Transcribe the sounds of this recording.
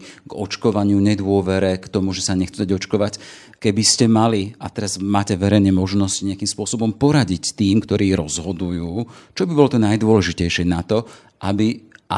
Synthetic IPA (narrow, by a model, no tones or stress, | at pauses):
ɡɔ̰t͡ʃkɔʋaɲɪuɲɛd̪ʊɔʋɛɾɛkt̪ɔmuʒɛsaɲɛxt͡sud̪aɟɔt͡ʃkɔʋac | kɛbiscɛmaliat̪ɛɾazmaːcɛʋɛɾɛjnɛmɔʒnɔsciɲɪakimspʊɔsɔbɔmpɔɾaɟict̪iːmkt̪ɔɾiːɾɔzɦɔd̪ujuːt͡ʃɔbibɔlɔt̪ɔnajd̪ʊɔlɛʒicɛjʃɪɛnat̪ɔ | ʔabiʔa